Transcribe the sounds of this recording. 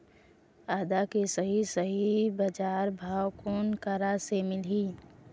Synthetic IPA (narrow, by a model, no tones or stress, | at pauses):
aːd̪akisəɦisəɦibəd͡ʒaːɾbʱaːwkoːnkəɾasemɪlɦiː